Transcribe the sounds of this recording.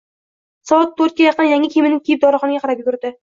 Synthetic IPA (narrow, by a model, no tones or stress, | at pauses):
sɒɑt̪̚ːʰɵɾt̪̚kʲajɑqənjaŋɪkʲʰemɪnɪkʲejɪp̚d̪ɒɾɑχɒnɡʲaqʰɑɾap̚jʊɡʊɾd̪ɪ